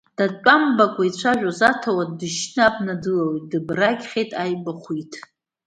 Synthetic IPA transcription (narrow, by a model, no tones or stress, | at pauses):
d̥at͡pʷʼambakʷʼait͡ɕʷʰaʒᶣazatʰawadɨʃnɨabnadɨlawidɨbraɡʲχʲejtʼajbaχʷitʰʼ